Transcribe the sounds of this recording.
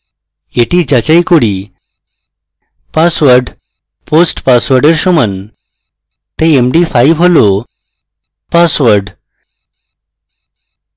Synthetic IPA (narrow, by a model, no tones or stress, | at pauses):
eʈiːd͡ʑat͡ɕajkoɽi | pasʋəɾɖ | posʈpasʋəɾɖəɾɕumən | t̪eemɖifaiʋɦolo | pasʋəɾɖ